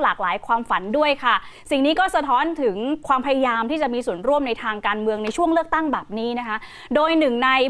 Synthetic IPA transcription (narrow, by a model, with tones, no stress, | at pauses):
laː˨˩k̚laː˩˦jkʰwaː˧mfa˩˦ndu˥˩əjkʰa˥˩si˨˩ŋniː˦˥kɔː˥˩sa˧t̪ʰɔː˦˥nt̪ʰɯ˩˦ŋkʰwaː˧mpʰa˧ja˧jaː˧mt̪ʰiː˥˩t͡ɕa˨˩ʔmiː˧su˨˩ənɾu˥˩əmna˧jt̪ʰaː˧ŋkaː˧nmɯ˧əŋna˧jt͡ɕʰu˥˩əŋlɯ˥˩ək̚t̪a˥˩ŋbɛː˨˩p̚niː˦˥na˦˥kʰa˦˥ | doː˧jnɯ˨˩ŋna˧j